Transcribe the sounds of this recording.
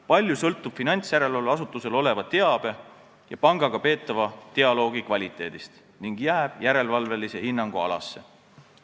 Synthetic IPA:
pɑlʲjusɤlt̪ːˑub̥finɑnʲt̪sjæɾe̞lvɑlvɑsut̪ˑːuse̞lo̞le̞vɑt̪e̞ɑb̥e̞ | jɑpɑŋɡ̥ɑɡ̥ɑpe̞ːt̪ːˑɑvɑt̪e̞ɑlo̞ːɡikvɑlʲit̪ːˑe̞ːd̪̥ist̪ | niŋɡ̥jæːb̥jæɾe̞lvɑlve̞lise̞hinːɑŋɡ̥uɑ̰lɑ̰sːe̞̰

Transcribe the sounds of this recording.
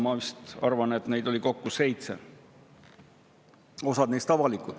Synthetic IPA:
mɑvist̪ɑ̰rvɑne̞t̪ne̞jd̪o̞lʲiko̞kːuse̞jt̪sḛ | o̞sɑd̪̥ne̞jst̪ɑvɑlikˑud̪̥

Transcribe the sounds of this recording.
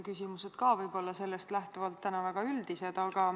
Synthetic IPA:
kysʲimuse̞d̪̥kɑːvɤjbo̞lːɑse̞lːe̞st̪læht̪uvɑlt̪ːænɑvæɡ̥ɑyld̪ise̞d̪̥ɑɡ̥ɑ

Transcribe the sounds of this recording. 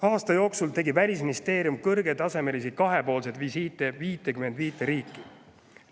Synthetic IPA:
ɑːst̪ɑjo̞ːksult̪e̞ɡivælʲis̬minist̪e̞ːɾjumkɤrɡ̥e̞t̪ɑse̞me̞lisikɑɦe̞po̞ːlse̞d̪visiːt̪ːˑeviːt̪ːˑekyme̞nd̪̥viːt̪ːˑeɾiːkːˑi

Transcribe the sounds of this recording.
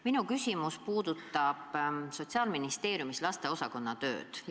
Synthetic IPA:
minukysʲimuspuːd̪̥ut̪ːˑɑb̥so̞t̪ʲsiɑːlminist̪e̞ːɾjumislɑst̪e̞o̞sɑko̞nːɑt̪ø̞̰ːd̪̥

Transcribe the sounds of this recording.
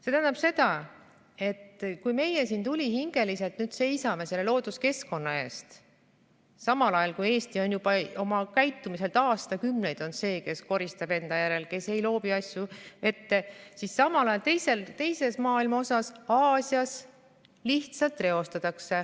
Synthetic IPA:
se̞t̪æɦænɑb̥se̞d̪ɑ | e̞t̪ːkujme̞jesint̪ulʲihiŋɡ̥e̞lise̞lt̪nyːd̪̥se̞jsɑme̞se̞lːelo̞ːd̪̥uske̞sko̞nːɑe̞ːst̪ | sɑmɑlɑjɑlkuje̞ːst̪io̞njub̥ɑo̞mɑkæjt̪ːumise̞lt̪ɑːst̪ɑkymne̞jd̪̥o̞nse̞ːke̞sko̞ɾist̪ɑb̥e̞nd̪̥ɑjæɾe̞lke̞se̞jlo̞ːpiɑsʲjuʔe̞t̪ːe̞sisːɑmɑlɑjɑlt̪e̞jse̞lt̪e̞jse̞smɑːilmɑo̞sɑsɑːsʲiɑs | liht̪sɑlt̪ːˑre̞o̞st̪ɑt̪ɑkse̞

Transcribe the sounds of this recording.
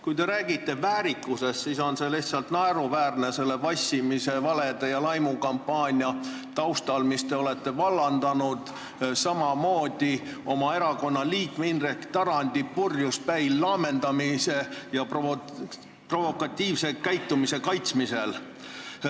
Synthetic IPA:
kujt̪e̞ɾæːɡit̪ːe̞væːɾikːˑuse̞st̪siso̞nseleht̪sɑlt̪nɑeɾuvæːrnese̞lːe̞vɑsʲimise̞vɑled̪̥ejɑlɑjmukɑmpːɑːnʲiɑ | t̪ɑwst̪ɑlmist̪e̞o̞le̞t̪ːe̞vɑlːɑnd̪̥ɑnud̪̥ | sɑmɑmo̞ːd̪̥io̞mɑe̞ɾɑko̞nːɑliːkmeinrekt̪ɑɾɑnʲd̪̥ipurjuspæjlːɑːme̞nd̪̥ɑmise̞jɑpo | pro̞vo̞kːˑɑt̪ʲːiːvse̞kæjt̪ːumise̞kɑjt̪smise̞l

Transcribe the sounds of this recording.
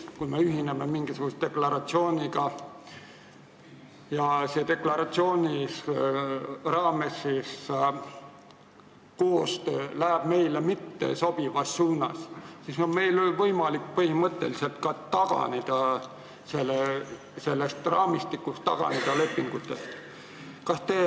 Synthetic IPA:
kume̞yɦineme̞miŋɡ̥isuɡ̥ust̪̚t̪e̞klɑɾɑt̪sio̞ːnʲiɡɑ | jɑset̪e̞klɑɾɑt̪sio̞ːnʲis | rɑːme̞sːis | koːst̪øːlæɦæb̥me̞jlemit̪ːe̞̰so̞b̥ivɑsːuːnɑ̰ssisome̞jlolvɤjmɑlik̚ːpɤhimɤt̪ːe̞liselt̪̚kɑt̪ɑɡ̥ɑ̰ned̪̥ɑ | selːe | se̞lːest̪rɑːmist̪ikːˑust̪ːɑ̰ɡ̥ɑ̰ned̪̥ɑle̞pːiŋɡ̥ut̪ːˑe̞st̪ | kɑst̪eː

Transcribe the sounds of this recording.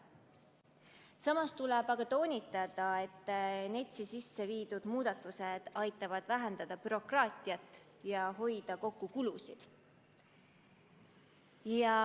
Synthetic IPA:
sɑmɑst̪ulɛb̥ɑɡ̥ɑt̪o̞ːnʲit̪ːˑɑd̪̥ɑe̞t̪ˑːne̞t̪ʲsisisːe̞viːd̪̥ud̪̥muːd̪̥ɑt̪ːˑused̪̥ɑjt̪ːˑɑvɑd̪̥væɦend̪̥ɑd̪̥ɑpyɾo̞krɑːt̪ʲˑiɑt̪ːˑ | jɑɦo̞jd̪̥ɑko̞kːukulusid̪̥ | jɑ

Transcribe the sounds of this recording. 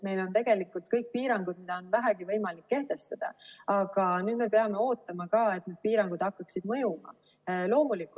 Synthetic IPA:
me̞jlo̞nt̪e̞ɡ̥e̞likːˑult̪kɤjk̚piːɾɑŋɡud̪̥mid̪̥ɑo̞nvæɦæɡivɤjmɑlikːe̞ht̪e̞st̪ɑd̪̥ɑ̰ɑɡ̥ɑnyːd̪me̞peɑme̞o̞ːt̪ːˑɑmɑkɑːe̞t̪nyd̪̚piːɾɑŋɡ̥ud̪̥hɑkːɑksid̪̥mɤjumɑ̰ | lo̞ːmulikːu

